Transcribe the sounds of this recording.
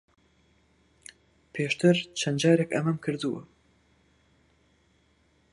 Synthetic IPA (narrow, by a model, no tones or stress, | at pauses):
pʰeːʃt̪ʰɨɾt͡ʃʰɐnd͡ʒɑːɾekɐmɐmkʰɨɾd̪uwɨ̰